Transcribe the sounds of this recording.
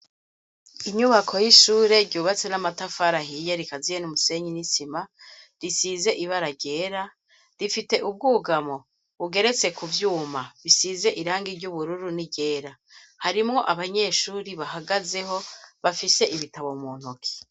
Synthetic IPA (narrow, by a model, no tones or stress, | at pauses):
iɲuβakʰo̞jiʃuːɾe̞ɾɟuːβat͡se̞namatafaɾaɦijeɾikazijenumuse̞ɲinisima | ɾisize̞ʔiβaɾaɟe̞ːɾa | ɾifite̞ʔub̚ɡuːɡamo̞ | uɡe̞ɾe̞t͡se̞kuvjuːmaβisize̞ʔiɾaːŋɡiɾɟuβuɾuɾuniɟe̞ːɾa | haɾimŋo̞ʔaβaɲe̞ːʃuːɾiβaɦaɡaze̞ɦo̞βafise̞ʔiβitaβomuːn̥ukʰi̥